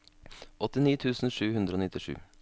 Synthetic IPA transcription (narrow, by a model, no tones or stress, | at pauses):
ʔɔt̪ɪniːt̪ʰʉːsn̩ʃʉːhʉnd̪ɾəoːnɪt̪ɪʃʉ̰ː